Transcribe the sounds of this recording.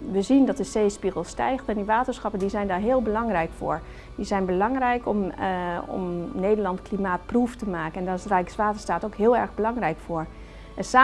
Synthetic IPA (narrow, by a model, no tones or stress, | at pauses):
ʋəzindɑt̚dəseːspiɣəlˠstɛ̰jχtɛndiʋaːtəɹsχɑpəndizɛjndaːɹɦɪːlˠbəlɑŋrɛjkfʊ̰ːɹ | dizɛjnbəlɑŋrɛjkɔmɔ̰mnejdəɹlɑntklimaːt̚pruftəmaːkənɛndɔtɪsrɛjksʋaːtə̥staːtowkɦɪːlˠɛɹɣbəlɑŋrɛjkfʊːɹ | əsaː